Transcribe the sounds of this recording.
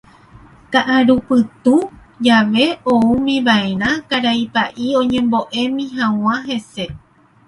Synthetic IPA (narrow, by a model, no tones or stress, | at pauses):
kaʔaɾupɨt̪u | d͡ʒaʋe̞oumĩβaeɾ̃ãkaɾaipaʔiõ̞ɲẽ̞mbo̞ʔe̞mĩɦãw̃ãɦe̞se̞